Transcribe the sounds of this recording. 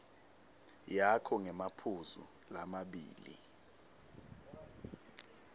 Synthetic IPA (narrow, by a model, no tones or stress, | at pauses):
jakʰɔŋɛmapʰuzṵ | lamaɓḭːlḭ